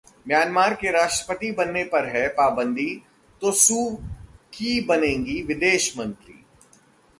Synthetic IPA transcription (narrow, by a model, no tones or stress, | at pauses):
mjaːnmaːɾkeɾaːʃʈɾəpət̪ibɐnːepɐɾɦɛpaːbə̃nd̪ʱi | t̪osuːkibɐnẽːŋɡiʋɪd̪eːʃmə̃nt̪ɾḭː